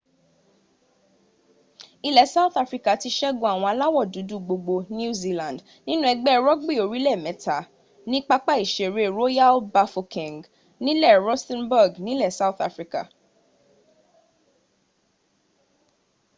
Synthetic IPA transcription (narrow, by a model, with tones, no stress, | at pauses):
i˧lɛ˨sa˦u˦θa˧fɾi˦ka˨ti˧ʃɛ˦ɡõ˧a˨w̃ɔ̃˧a˧la˦wɔ˦˨du˨˦du˦˨ɡ͡bo˧ɡ͡bo˧ñ˦u˦zi˧lã˨d | nĩ˦nũ˦ɛ˧ɡ͡bɛ˦˧ɾɔ˦ɡ͡bi˦˨o˨ɾi˦lɛ˦˨mɛ̃˨˦ta˨ | nĩ˦k͡pa˦k͡pa˦i˨ʃe˨ɾe˨˦ɾo˦ja˦lba˧fo˧kĩ˨ŋɡ | nĩ˦lɛ˦˨ɾɔ˦stɛ̃˦nbɔ˦˨ɡnĩ˦lɛ˦˨sa˦u˦θa̰˧fɾi˧˦ka̰˨